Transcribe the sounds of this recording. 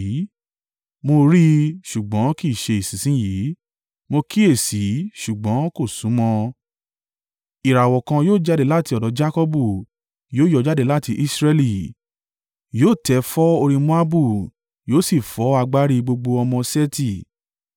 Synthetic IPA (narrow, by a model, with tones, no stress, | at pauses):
mo˧ɾi˦ʃu˨ɡ͡bɔ̃˨˦ki˦˨ʃe˧i˨sĩ˨sĩ˨˦ji˨˦ | mo˧ki˦e˦˨si˨˦ʃu˨ɡ͡bɔ̃˨˦ko˦˨sũ˨˦mɔ̃˧ | i˨ɾa˨wɔ˨kã˧joː˦˨d͡ʒa˦de˦˧˦la˦˨ti˧ɔ˨dɔ˨˦d͡ʒa˦kɔ˦bu˦˨ | joː˦jɔ˧˦d͡ʒa˦de˧la˦˨ti˧˦ʔi˦sɾɛ˧li˦ | joː˦˨tɛ˨˦fɔ˦o˧ɾĩ˧mũ˦a˦bu˦˨ | joː˦si˦˨fɔ˨˦a˧ɡ͡ba˦ɾi˧ɡ͡bo˧ɡ͡bo˧ɔ˧mɔ̃˧sɛ˦ti˦˨